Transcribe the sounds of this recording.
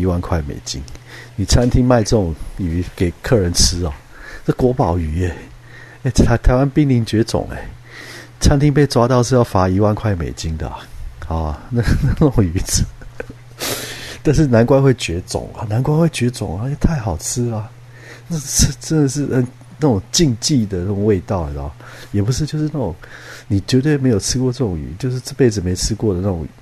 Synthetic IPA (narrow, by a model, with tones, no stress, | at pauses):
i˧˥wa˥˧nkʰwa˥˩ɪmḛ˨˩ɪt͡ɕḭ˦ŋni˨˩t͡sʰa˦˥nt̪ʰi˦˥ŋma˥˧ɪt͡sɤ˥˨˩t͡sʊ˨˩ŋy˧˥ke˨˩ɪkʰɤ˥˩ɻə˧˦nt͡s̩ʰ˦ɔ̰˨ | t͡sɤ˥˩kwɔ˧˥pɑ˨˩ʊy˧˥e˨˩ | e˥˩ɪt̪ʰa˨˦ɪt̪ʰa˨˦ɪwa˦˥npi˥˧ŋli˧˩ŋt͡ɕɥɛ˧˥t͡sʊ̰˨˩˦ŋḛ˨˦˨ | t͡sʰa˥nt̪ʰi˥ŋp̬e˥˩ɪt͡swa˥t̪ɑ˥˧ʊʂ̬ɻ̩˥˧jɑ˥˩ʊfa˧˥i˧˥wa˥˧nkʰwa˥˩ɪmḛ˨˩ɪt͡ɕi˧˥ŋd̪ə̰˨˩a˨˩˨na˥˧ɡna˥˧n˥˨˩ŋy˧˥t͡s̩˨˩ | t̪a˥˧nʂ̬ɻ̩˥˩na˧˥nkwa˥nxwe˥˩ɪt͡ɕɥɛ˧˥t͡sʊ̰˨˩˦ŋa̰˨na˧˥nkwa˥nwe˥˩ɪt͡ɕɥɛ˧˥t͡sʊ̰˨˩ŋə˧˥t͡ɕʰɛ˨˩t̪ʰa˥˩ɪxɑ˨˩ʊt͡sʰɻ̩˥lɐ˨ | a˥˩˧t͡s̩ʰ˥ʈ͡ʂə˥nd̪ə˨ʂɻ̩˥˩ə˨˩ | na˥˩ʊ˨˩ŋt͡ɕi˥˧ŋt͡ɕi˥˩d̪ə˩na˥˩ʈ͡ʂŋwe˥˧ɪt̪ɑ˥˩ʊḛ˨˩ɔ̰˨˩˦jɛ˨˩pu˦ʂ̬ɻ̩˥˧t͡ɕjo˥˧ʊʂ̬ɻ̩˥˧na˥˩ʊ˨˩˦ŋni˨˩t͡ɕɥɛ˧˥t̪we˥˩me˧˥ɪjo˨˩t͡sʰɻ̩˥kwɔ˥˧ʈ͡ʂɤ˥˩ʊ˨˩ŋy̰˧˥˦t͡ɕjo˥˧ʊʂ̬ɻ̩˥˧t͡s̩˥˧pe˥˩ɪd͡z̩˨˩me˧˥ɪt͡sʰɻ̩˥kwɔ˥˨d̪ə˩na˥˩ʈ͡ʂʊ̰˨˩ŋ˨˦